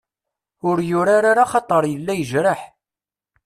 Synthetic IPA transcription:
ʊɾjʊɾaɾaɾaχɑt̪ˤːəɾˤjəlːæjəʒɾəħ

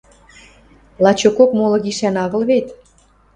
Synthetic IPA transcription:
lɑt͡ɕokokmolɤ̆ɣiʃænɑɣə̆lβet̪

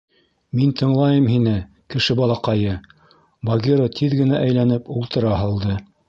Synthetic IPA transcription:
mint̪ʰɤ̆ɴlˠɑjɤmɦinɘ | kɘ̆ʃɘbɑlˠɑqɑjɤ | bɐɡʲiɾot̪ʰiðɡɘ̆næʔæjlænɘpulˠt̪ɤ̆ɾɑɦɤlˠd̪ɤ

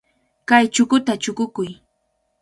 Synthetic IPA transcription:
kajt͡ʃʊkʊt̪at͡ʃʊkʊkʊj

